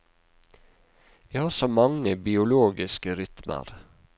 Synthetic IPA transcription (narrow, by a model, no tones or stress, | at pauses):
ʋiːhɑːsoːmɑŋəbɪʊloːɡɪskəɾʏt̪mʔə̰ɾ